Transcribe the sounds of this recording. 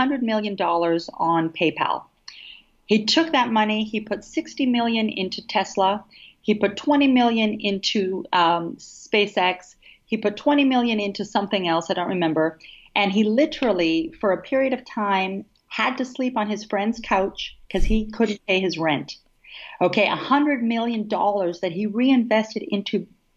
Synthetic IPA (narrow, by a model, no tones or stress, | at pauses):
ʌ̃ndɹɨd̚mɪlˠjɨ̃ndɔlˠə˞zn̩pʰeɪpʰæ̰lˠ | hitʰʊk̚ðɨt̚mʌniipʰʊtsɪkstimɪlˠjɨ̃nɪ̰̃ntʰʉtʰɛsləipʊtʰw̥ɛ̃ɾ̃imɪlˠjɨ̃nɪ̃ntʰʉ | speɪsɛks | hipʊtʰw̥ɛ̃ɾ̃imɪlˠjɨ̃nɪ̃ntʉsʌ̃mθɪ̃ŋɛlˠsaɪɾõʊ̃nʔɹɨmɛ̃mbə˞ʔɨ̃nilɪɾə˞l̩ˠifə˞ɨpʰɪɹiɨɾʌv̥tʰãɪ̃m | ɨd̚tɨslipn̩ɨz̥fɹɛ̃ndz̥kʰaʊt͡ʃkʰʌz̥ikʰʊdⁿn̩pʰeɪɨzɹɛ̃nt | oʊkʰeɪʔəhʌ̃ndɹɨd̚mɪlˠjɨ̃ndɔlˠə˞zðɨt̚hiɹiɨ̃ɱvɛstɨɾɪ̃ntʰʉ